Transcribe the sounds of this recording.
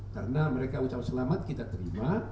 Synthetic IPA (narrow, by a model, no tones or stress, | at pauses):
kaɾənaməɾekaut͡ʃap̚səlamat̪̚kit̪at̪əɾima